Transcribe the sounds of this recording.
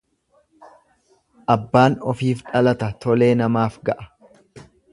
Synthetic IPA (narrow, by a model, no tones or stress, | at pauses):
ʔɐbːaːnɔfiːfᶑɐlɐt̪ɐt̪ɔle̞ːnɐmaːfɡɐʔɐ̥